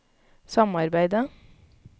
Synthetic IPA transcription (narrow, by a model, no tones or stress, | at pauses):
sɑmɑɾbæɪd̪ə